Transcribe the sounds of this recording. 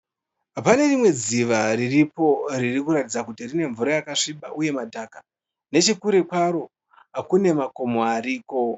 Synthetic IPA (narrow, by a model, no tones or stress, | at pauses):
apane̞rimwe̞d͡ziʋariripo̞ririkuɾatid͡zakutirine̞ɱvuɾajakaʂiɓa̰ʔuje̞madʱaːka | ne̞t͡ʃekuɾe̞kwaɾo̞ | ɦakune̞mako̞moariːko̞